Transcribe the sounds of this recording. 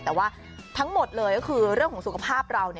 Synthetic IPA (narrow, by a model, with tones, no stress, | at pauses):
t̪ɛː˨˩waː˥˩ | t̪ʰa˦˥ŋmo˨˩t̪̚lɤː˧jkɔː˥kʰɯː˧ɾɯ˥˩əŋkʰɔː˩˦su˨˩kʰa˧pʰaː˥˩p̚ɾa˧wni˥˩